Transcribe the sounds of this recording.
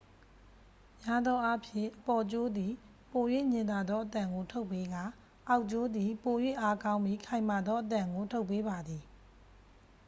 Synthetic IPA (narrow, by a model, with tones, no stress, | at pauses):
mja˦d̪ɔ˦ʔa˦pʰjɪ̰̃˨ʔəpɔ˨t͡ɕo˦d̪i˨ | po˨jwḛ˦˨ɲɪ̃˨nd̪a˨d̪ɔ˦ʔət̪ã˨ŋɡo˨tʰo˦ʊpːe˦ɡa˦˨ | ʔa˦˨ʊʔt͡ɕo˦d̪i˨po˨jwḛ˦˨ʔa˦kã˦ʊ̃mbi˦˨kʰã˨ɪ̃ma˨d̪ðɔ˦ʔət̪ã˨ŋɡo˨tʰo˦ʊpːe˦ba˨d̪i˨